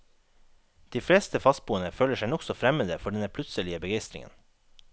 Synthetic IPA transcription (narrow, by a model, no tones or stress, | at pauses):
d̪̥iːfleːst̪əfɑst̪̚buːənəføːləʃæɪnɔksɔfɾɛməd̪əfɔɖɛnəpʰlʉt̪səlɪəbəɡeɪst̪ɾɪ̰ŋə̰n